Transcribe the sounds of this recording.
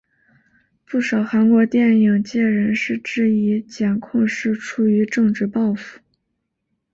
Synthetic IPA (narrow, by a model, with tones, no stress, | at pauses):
pu˥˩ʂɑ˨˩ʊxa˧˥nkwɔ˧˥t̪jɛ˥˩ni˨˩ŋt͡ɕjɛ˥˩ɻə˧˥nʂɻ̩˥˧ʈ͡ʂɻ̩˥˩i˧˥t͡ɕjɛ˨˩nkʰʊ˥˧ŋʂɻ̩˥˩ʈ͡ʂʰu˨˧˩y˧˥ʈ͡ʂɤ˥˧ŋʈ͡ʂɻ̩˥˧pɑ˥˧ʊfu̥˥˩˦